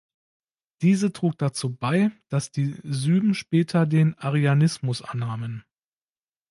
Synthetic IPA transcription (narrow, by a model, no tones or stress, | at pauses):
d̥iːzətʁ̥uːk̚d̥at͡suːbaɪd̥asd̥iːzyːbm̩ʃpɛːtʰɐdeːnaʁeanɪsmʊsʔa̰nːaːmən